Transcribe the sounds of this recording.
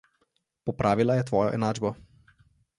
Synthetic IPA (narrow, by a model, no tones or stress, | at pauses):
pɔpɾʔaːʋilajɛt̪ʋɔːjɔ̰ʔɛ̰naːd͡ʒbɔ